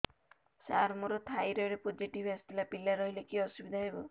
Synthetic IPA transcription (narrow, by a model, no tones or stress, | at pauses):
sa̰ɾmuɾɔt̪ʰajɾɔiɽepod͡ʒiʈibast̪ilapilaɾɔɦilekiɔsubid̪ʱaɦebɔ